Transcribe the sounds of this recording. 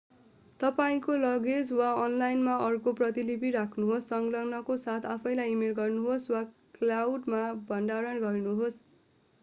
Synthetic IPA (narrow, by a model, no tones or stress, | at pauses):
t̪ʌpaĩkolʌɡed͡zwaʌnlajnmaʌrkoprʌt̪ilipiɾakʰnuɦosːʌŋɡlʌŋnʌkosat̪ʰapʰʌjlajimelɡʌrnuɦoswaklawɖmabʱʌnɖaɾʌnɡʌrnuɦos